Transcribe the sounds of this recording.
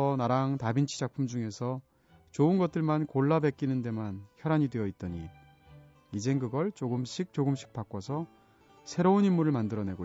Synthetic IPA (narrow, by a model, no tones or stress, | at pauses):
ʌnaɾaŋtabint͡ɕʰi̥d͡ʑak̚pʰumd͡ʑuŋe̞sʰʌ | t͡ɕoɯnɡʌt̚t͈ɯɭmankoɭːabe̞k͈inɯnde̞mançjʌɾaɲidwe̞jʌit̚t͈ʌɲi | id͡ʑe̞nkɯɡʌɭt͡ɕ͈oɡɯmɕʰik̚t͡ɕoɡɯmɕ͈ʰi̥k̚p͈ak͈ʌsʰʌ | sʰe̞ɾounimuɾɯɭmandɯɾʌne̞ɡo